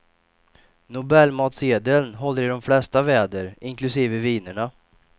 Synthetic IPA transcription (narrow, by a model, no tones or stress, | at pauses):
nʊbɛlːmɑːt̪seːd̪əlnɦɔlːəɾɪɖɔmflɛst̪avɛːd̪əɾɪŋklɵsiːvəviːnəɳa